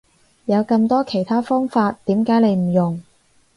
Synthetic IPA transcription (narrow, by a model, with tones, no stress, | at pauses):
jɐ˨˧wkɐ˧mt̪ɔː˥kʰe˨˩jt̪ʰaː˥fɔː˥ŋfaː˧t̪ːiː˨˥mkaː˨˥jne˨˧jm̩˨˩jʊ˨˩ŋ